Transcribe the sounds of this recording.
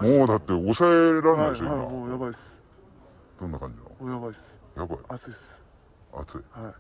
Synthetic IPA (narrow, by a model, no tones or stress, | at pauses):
moːd̪at̪ːe̞osaeɾanasoa̰ojabais | d̪̥õnːakã̰ɲd͡ʑino̰mojaβaisɨ̥ | jaba̰iat͡sɨis | a̰t͡sɨihai